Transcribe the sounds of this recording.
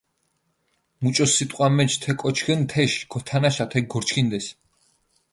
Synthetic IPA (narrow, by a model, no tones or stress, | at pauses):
mut͡ʃʼɔsːit̪ʼqʼwamɛt͡ʃʰt̪ʰɛkʼɔt͡ʃʰɡɛnt̪ʰɛʃɡ̥ɔt̪ʰanaʃat̪ʰɛɡ̚ɡɔɾt͡ʃʰkʰind̪ɛs